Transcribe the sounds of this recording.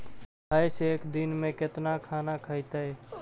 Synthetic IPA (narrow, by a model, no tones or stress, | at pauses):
bʱəseːkd̪inmẽkɪt̪nakʰaːnakʰəɪt̪əe